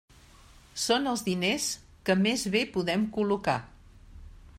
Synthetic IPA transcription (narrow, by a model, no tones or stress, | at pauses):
sonəlˠzðines | kəmezβepuðɛmkuluka̰